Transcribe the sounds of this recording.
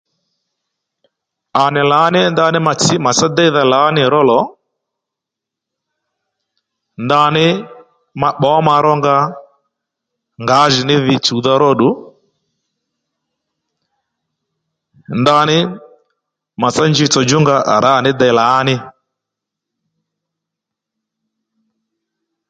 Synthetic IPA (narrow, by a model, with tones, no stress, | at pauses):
a˨nɪ˨laː˨˦nɪ˦nda˦˨nɪ˦ma˨t͡sɪ˦ma˨sa˦dɛ˦i˦ða˨laː˨˦nɪ˨ɾɔ˦lɔ˨˦ | nda˦nɪ˦ | ma˨ɓɔ˨˦ma˧ɾɔ˦ŋɡa˦ | ŋɡa˨˦ʒi˨nɪ˦ðɪ˦t͡ʃu˨ða˦ɾɔ˦ɗu˨ | nda˧˦nɪ˦ | ma˨sa˦nd͡ʒi˦˨t͡sɔ˨d͡ʒʊ˦ŋɡa˦ʔa˨ɾa˦˨nɪ˦dɛ˨laː˨˦nɪ˦